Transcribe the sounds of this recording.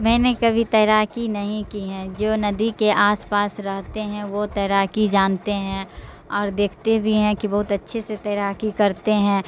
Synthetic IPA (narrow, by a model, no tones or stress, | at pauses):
mɛ̃ːnekɐbʱit̪ɛːɾaːkinɐɦĩkiɦɛ̃d͡ʒoːnɐd̪ikeʔaːspaːsɾɐɦt̪eɦɛ̃ʋot̪ɛːɾaːkid͡ʒaːnt̪eɦɛ̃ | ɔːɾd̪eːkʰt̪ebʱiɦɛ̃kibɐɦʊt̪ɐtːʃʰeset̪ɛːɾaːkikɐɾt̪eɦɛ̃ː